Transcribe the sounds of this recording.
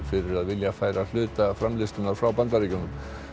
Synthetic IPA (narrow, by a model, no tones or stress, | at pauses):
fɪɾɪɾaðvɪljafaːjɾal̥ʏːt̪afɾamlɪst̪ʏnaɾ̥fɾawpant̪aɾiːcʏnʏm